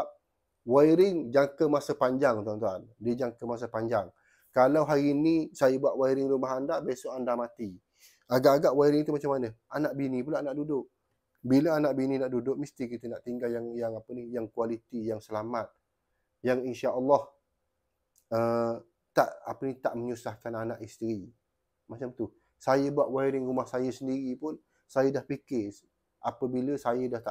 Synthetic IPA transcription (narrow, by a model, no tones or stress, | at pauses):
p̚ | waiɾɪŋd͡ʒaŋkəmasapaɲd͡ʒaŋt̪uant̪ua̰ndiəd͡ʒaŋkəmas̬apaɲd͡ʒaŋ | kalawɦaɾiːnisajəbuaʔ̪waiɾɪŋɾumaɦandaʔbesoʔandamat̪i | aɡaʔːɡaʔwaiɾɪŋt̪umat͡ʃamːanəanaʔbinĩpulaːnaʔdudʊʔ | biləanaʔbininaʔdudʊk̚mist̪ikit̪ənaʔt̪iŋɡaljaŋjaŋapənihjaŋkualit̪ijaŋsəlamat̪̚ | jaŋinʃaʔəlːɔh | ə | t̪aʔa̰pənit̪aʔməɲusahkananaʔist̪əɾi | mat͡ʃamt̪u | sajəbuaʔwaiɾɪŋɾumahsajəsəndiɾipʊn | sajədahpikɪs | ʔapəbiləsajədaht̪aʔ